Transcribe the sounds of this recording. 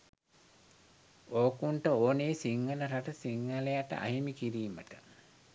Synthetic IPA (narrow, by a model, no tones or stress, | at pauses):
oːkuɳʈəoːneːsiŋːələɾaʈəsiŋːalejaʈə̰ʔa̰ɦimikiɾiːmə̰ʈə